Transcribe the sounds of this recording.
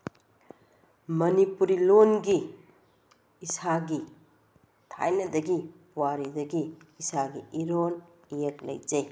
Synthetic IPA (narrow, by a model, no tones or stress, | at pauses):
mɐnipuɾilonɡi | saɡi | tʰa̰jnɐdɐɡi | waɾidɐɡiː | saɡiiɾon | jek̚lɐ̰jd͡ʒej